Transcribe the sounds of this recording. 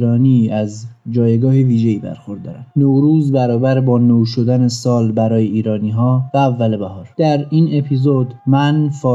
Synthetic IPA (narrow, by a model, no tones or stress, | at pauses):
ɾɒːniæzd͡ʒɒːjeɡɒːheviːʒe̞iːbæ̰ɾxo̞ɾd̪dːɒ̰ːɾænnoɾuːzbæɾɒːbæɾbɒːnoʃod̪ænesɒːlbæɾɒːjeiːɾɒːniːɦɒːvæːvːælebæɦɒːɾd̪̥æɾine̞pʰiːzod̪mænfɒː